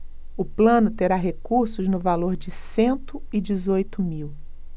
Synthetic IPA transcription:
ʊplɐ̃nʊt̪eɾaɦekuɾsʊznʊvaloɾd͡ʒɪsẽnt̪ʊɪd͡ʒɪzojt̪ʊmiw

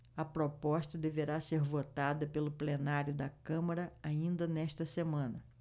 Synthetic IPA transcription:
ɐpɾopɔst̪ɐd̪eveɾaseɾvot̪ad̪ɐpelʊplenaɾjʊd̪ɐkɐ̃mɐɾɐaĩnd̪ɐnɛʃt̪ɐsemɐ̃nɐ

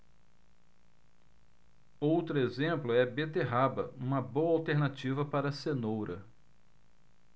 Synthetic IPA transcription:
owt̪ɾʊezẽmplʊɛbet̪eɦabɐũmɐbowɐawt̪eɾnat͡ʃivɐpaɾɐsenowɾɐ

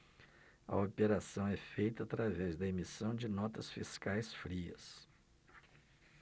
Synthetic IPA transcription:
ɐ̰opeɾasɐ̃w̃ɛfejt̪ɐːt̪ɾavɛzd̪ɐemisɐ̃w̃d͡ʒɪnɔt̪ɐsfiskajsfɾiɐ̰s

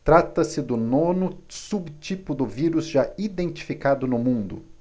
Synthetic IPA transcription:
t̪ɾat̪ɐsɪd̪ʊnõnʊsubt͡ʃipʊd̪ʊviɾuzʒaid̪ẽnt͡ʃi̥fikad̪ʊnʊmũnd̪ʊ̰

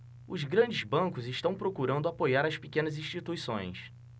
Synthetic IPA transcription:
ʊzɡɾɐ̃d͡ʒɪzbɐ̃ŋkʊzɪʃt̪ɐ̃w̃pɾokuɾɐ̃nd̪ʊapojaɾɐspikẽnɐzĩʃt͡ʃit̪uisõ̰j̃s

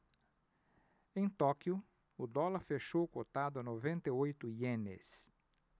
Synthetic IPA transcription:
ẽj̃t̪ɔkjʊ | ʊd̪ɔlɐɾfeʃowkot̪ad̪ʊɐnovẽnt̪eojt̪ʊiẽnḛs

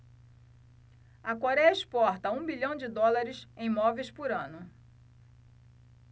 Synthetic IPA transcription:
ɐkoɾɛjɐispɔɾt̪ɐũbiʎɐ̃w̃d͡ʒɪd̪ɔlaɾɪsẽj̃mɔvejspʊɾɐ̃nʊ

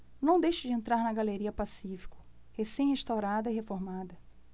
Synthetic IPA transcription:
nɐ̃w̃d̪ejʃɪd͡ʒɪẽnt̪ɾaɾnɐɡaleɾiɐpasifi̥kʊ̥ | hesẽj̃heʃt̪awɾad̪ɐiɦefoɾmad̪ɐ

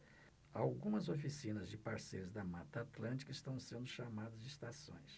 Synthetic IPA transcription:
awɡũmɐzofisĩnɐzd͡ʒɪpaɾsejɾʊzd̪ɐmat̪ɐat̪lɐ̃nt͡ʃi̥kɪst̪ɐ̃w̃sẽnd̪ʊʃamad̪ɐzd͡ʒɪist̪asõ̰j̃s

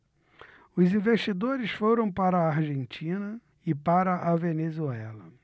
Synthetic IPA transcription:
ʊzĩveʃt͡ʃid̪oɾɪsfoɾɐ̃w̃paɾɐaɾʒẽnt͡ʃĩnɐ | ɪpaɾɐʔavenezuɛlɐ

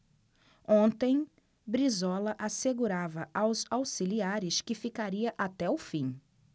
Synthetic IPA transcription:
õnt̪ẽj̃ | bɾizɔlɐʔaseɡuɾavɐʔawzawsiliaɾɪskɪfikaɾiɐʔat̪ɛʊfĩ

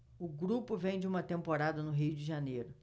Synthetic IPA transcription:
ʊɡɾupʊvẽj̃d͡ʒɪũmɐt̪ẽmpoɾad̪ɐnʊɦiʊd͡ʒɪʒanejɾʊ

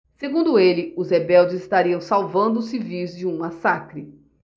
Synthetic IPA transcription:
seɡũnd̪ʊelɪʊzhebɛwd͡ʒɪzɪst̪aɾiɐ̃w̃sawvɐ̃nd̪ʊsɪvizd͡ʒɪũmasakɾɪ

